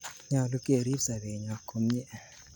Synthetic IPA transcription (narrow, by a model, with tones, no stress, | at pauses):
ɲa˨lu˦kʼe˨ɾi˦za˨βe˨ɲa˨kʰo˨m̩˦ɲɛ˦˨